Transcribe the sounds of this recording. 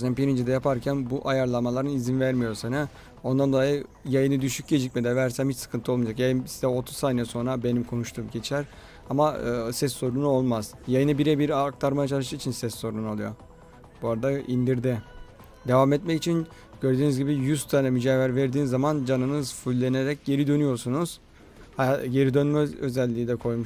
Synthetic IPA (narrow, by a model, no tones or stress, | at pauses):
snabiɾind͡ʒɛd̪ɛjapʰaɾcʰænbuʔajaɾlˠamalˠaɾɯnizinvæɾmijo̞ɾsanɛ | o̞nd̪and̪o̞lˠajɯ | jajɯnɯd̪yʃyc̚ɟe̞d͡ʒic̚ʲmed̪ɛvæɾsæmhit͡ʃsɯ̥kʰɯnt̪ʰɯomad͡ʒakjajɯnsi̥d̪ɛo̞t̪ʰu̥zsaːnɛso̞nɾabe̞nimkʰo̞nuʃt̪ʰuːmɟe̞t͡ʃʰæɾ | amaɯːsɛsːo̞ɾunuo̞lˠmaz̥jajɯnɯbiɾɛbiɾaɾk̚t̪ʰaɾmajat͡ʃʰalˠɯʃɯit͡ʃʰinsɛsːo̞ɾunolˠujo̰ | buaɾad̪aind̪iɾd̪ɪ | d̪e̞vamɛt̪mɛcit͡ʃʰin | ɟ̥ø̞ɾd̪yːnyzɟibijyzt̪ʰanɛmyd͡ʒaːvæɾveɾd̪iːnizːamand͡ʒanɯnɯzfulʲːe̞ne̞ɾɛcɟe̞ɾid̪ø̞nyjo̞ɾsunuz̥ | haaje̞ɾid̪ønmɛøzælʲːiːd̪ɛkʰo̞jmuʃ